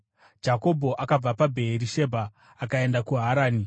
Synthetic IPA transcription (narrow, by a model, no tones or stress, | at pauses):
d͡ʒako̞bʱo̞ʔakab͡vapabʱe̞ɦːɾiʃe̞bʱaː | kae̞ndakuɦaɾaːni